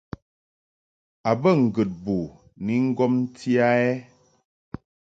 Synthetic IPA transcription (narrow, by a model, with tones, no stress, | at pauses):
a˨bə˦˨ŋ̩˨ɡɨ˨t̚bu˨ | ni˨˦ŋ̩˦ɡɔ˦mn̩˦tʰi˦a˦ɛ˦